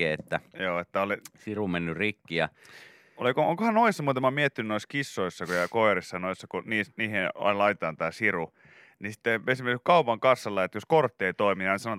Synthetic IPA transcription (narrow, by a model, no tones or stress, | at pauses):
ḛːet̪ːæjoːet̪ːæolisirumenːyrikːiɑ | olikoo̰ŋkohɑnnoisːɑmuːt̪ɑmːɑmiet̪ːinynoiskisːoisːɑkjɑkoirisːɑnoisːɑkuniːsniːheɑ̰lɑit̪et̪ɑˑnt̪æːsiru | nisi̥t̪ːeesimerkskɑupɑŋkɑsːɑlːɑet̪joskort̪ːeit̪oimijɑnisɑnoet̪